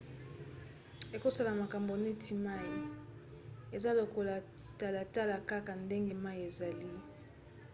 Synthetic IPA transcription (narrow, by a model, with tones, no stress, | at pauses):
e˨ko˦sa˦la˨ma˨ka˨mbo˨ne˦tʰi˦ma˦ji˨ | e˨za˦lo˨ko˦la˨ | ta˦la˨ta˦la˨ka˦ka˨nde˦ŋɡe˦ma˦i˨e˨za˨li˦